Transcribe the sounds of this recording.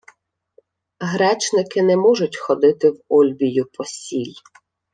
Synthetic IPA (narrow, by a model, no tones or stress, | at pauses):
ɦɾɛt͡ʃnɪkɪnɛmɔʒʊtʲxɔd̪ɪt̪ɪwɔlʲbʲijʊpɔsʲilʲ